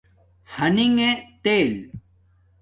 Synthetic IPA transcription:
hɐniŋet̪eːl

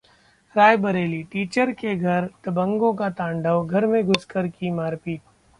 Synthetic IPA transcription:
ɾaːjbɐɾeːliʈiːt͡ʃəɾkeɡʱɐɾt̪ɐbə̃ŋɡõkat̪ãːɳɖəʋɡʱɐɾmẽɡʱʊskəɾkimaːɾpiː

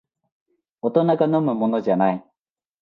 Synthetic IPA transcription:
ot̪onakanomɯmonod͡ʑanaj

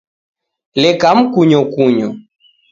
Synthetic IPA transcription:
lɛkam̩kuɲɔkuɲɔ

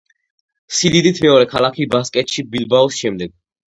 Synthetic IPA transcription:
sid̪id̪it̪ʰmɛɔɾɛkʰalakʰibaskʼɛt̪ʃibilbaɔsʃɛmd̪ɛɡ̥̚

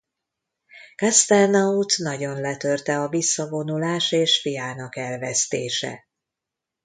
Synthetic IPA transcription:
kast̪ɛrnɒut̪nɒɟo̞nlɛt̪ø̞rt̪ɛɒvisːɒvo̞nulaːʃeːʃfijaːnɒkɛlvɛst̪eːʃɛ̰

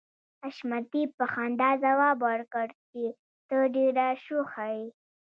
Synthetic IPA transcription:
aʃmat̪ipːəxɑnd̪ɑzawɑbaɾkəɾt͡ʃi | t̪əɖeɾaʃuxai

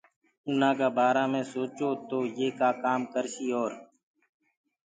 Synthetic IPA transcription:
ʊnãːkaːbaːɾãːmẽːsoːt͡ʃoːt̪oːjeːkaːkaːmkəɾʃiːoːɾ

